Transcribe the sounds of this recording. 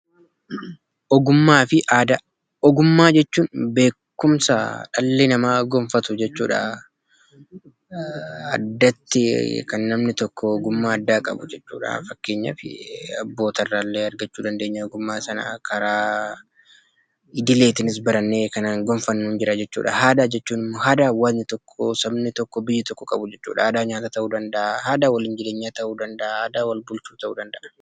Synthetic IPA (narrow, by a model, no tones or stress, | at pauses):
ʔɔɡʊmːaːfɪʔaːd̪ɐ | ɔɡʊmːaːd͡ʒɛt͡ʃːuːnbe̞ːkːʊmsa̰ᶑɐlːenɐmaːɡɔɱfɐt̪ʊd͡ʒɛt͡ʃːuːᶑa̰ | ɐ̰d̪ːɐt̪ːɪkɐnːɐmnɪt̪ɔkʰːɔːɡʊmːaːɐd̪ːaːkʼɐ̰bʊd͡ʒɛt͡ʃːṵːᶑa̰fɐkːe̞ːɲːɐ̰fɪ̰ɐbːo̞ːt̪ɐrːaːlːe̞ːɐɾɡɐt͡ʃːuːd̪ɐnd̪e̞ːɲːaɡʊmːaːsɐna̰kʰɐɾaː | ɪd̪ɪleːt̪ɪnɪs̬bɐɾɐnːeːkɐnaːŋɡɔɱfɐnːuːnd͡ʒɪɾɐd͡ʒɛt͡ʃːṵːᶑɐ̰haːd̪aːd͡ʒɛt͡ʃːuːnɪmːɔɦaːd̪aːwɐnɪt̪ɔkʰːɔsɐbnɪt̪ɔkːɔbɪjːɪt̪ɔkːɔkʼɐbʊd͡ʒɛt͡ʃːṵːᶑɐhɐd̪aːɲaːt̪at̪ɐʔuːd̪ɐnd̪ɐʔahaːd̪aːwɐlɪnd͡ʒɪd̪eːɲːat̪ɐʔuːd̪ɐnd̪ɐʔahad̪aːwɐlbʊlt͡ʃuːt̪ɐʔuːd̪ɐnd̪ɐʔɐ̥